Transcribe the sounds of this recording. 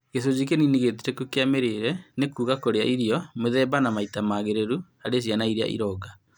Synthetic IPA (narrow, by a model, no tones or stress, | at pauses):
kes̬od͡ʑik̬eniniɣetiɾɛkukeameɾeɾɛnekuːɣakoɾeaʔiɾiɔmeðɛbanamaitamaɣeɾeɾu | aɾeɕ̬janaiɾea̰ʔḭɾɔːɡa